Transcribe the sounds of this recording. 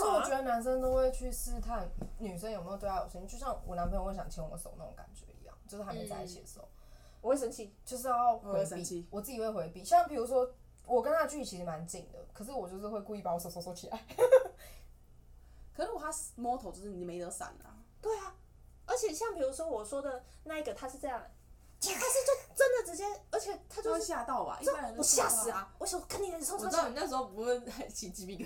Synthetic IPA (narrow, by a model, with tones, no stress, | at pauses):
ə˨ʂ̩˥˩wɔ˨˩t͡ɕɥɛ˧˥d̪ə˧na˧˥ns̬ə˦nt̪o˥ʊxwe˥˧ɪt͡ɕʰy˥˩sɹ̩˥˧t̪ʰa˥˨nny˨˩s̬ə˥˦njo˨˩me˧˥˨t̪wa˥˩o̰˨˩si˥˧t͡ɕjo˥˧ʊɕjɑ˥˩ŋwʔɔ̰˨˩na˧npwɕɑ˨˩ŋt͡ɕʰi˧˥ŋwɔ̰˨˧˩ə˧so̰˨˦ʊna˥˩o̰˨˦ŋka̰˨˩nt͡ɕɥɛ̰˧˦ḭ˧˦jɑ̰˥˩ŋt͡ɕjo˥˧ʂ̩˥˩a˧˥mm˧˥˧a̰˥˧˥t͡ɕʰɛ̰˨˩ə˨˩so̰˨˩˦ | wɔ˨˩xwe˥˩ʂə˧˥nt͡ɕʰi˥˩t͡ɕjo˥˧ʊʂ̬̩˥˧˥xwe˧˥˧i˧wɔ˨˩t͡sɹ̩˥˩t͡ɕi˨˩we˥˩xwe˧ɪpi˥˩ɕɑ˥˩ŋpʰi˨˩ɻu˧˥s̬wɔ˦˥ | wɔ˨˩kə˥˦nt̪ʰa˥d̪ə˨t͡ɕy˥˩i˥˩t͡ɕʰi˧˥ʂi˧˥ma˧˦nt͡ɕi˨˩ŋd̪ə̰˩kʰɤ˨˩ʂ̬̩˥˩wɔ˨˩t͡ɕjo˥˧ʂ̬ɻ̩˥˧xwe˥˧ɪku˧i˥˩pa˨˩˦wɔ˧˥so˨˩ʊso˧˥sɔ˧˥t͡ɕʰi˨la̰˧˦ɪ | kʰɤ˩ə˥nwɔ˨˩t̪ʰa˥smwɔ˥t̪ʰo˨˧ʊt͡ɕjo˥˧ʂɻ̩˥˩ni˨˩me˧˥ɪt̪ə˧˥sa̰˨˩nɐ̰˩ | t̪we˥˩ɪa˩ | ə˞˧˥t͡ɕʰjɛ˨˩ɕɑ˥˩ŋpʰi˨˩ɻu˧˥swɔ˥wɔ˨˩ʂwɔ˥d̪ə˨ | na˥˧i˥˩ɡə˨t̪ʰa˥ʂɻ̩˥˧ʈ͡ʂɤ˥˧jɑ˥˩ŋ˩ | t͡ɕ̪ʰa˥˧ʂɻ̩˥˧t͡ɕjo˥˩ʊʈ͡ʂə˦nd̪ə˨ʈ͡ʂɻ̩˧˥t͡ɕjɛ˥ə˞˧˥t͡ɕʰjɛ˨˩t̪ʰa˥t͡ɕjo˥˧ʊʂɕja˥˧t̪ɑ˥˨ʊba̰˨ʔi˥a˥nə˧˦˥ɕja˥˧˥s̩˨˩a˧˩wɔ˧˦ɕkə˥˩ni˥˩ə˧˥˧i˨n˥˩ʂ̬ɻ̩˧o˥˩pu˧˥we˥˩a˧˥ɪt͡ɕʰi˨˩t͡ɕi˧˥pi˥˧